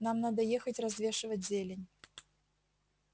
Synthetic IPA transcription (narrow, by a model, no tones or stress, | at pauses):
namnad̪əjexətʲrɐzvʲeʂɨvətʲzʲelʲɪnʲ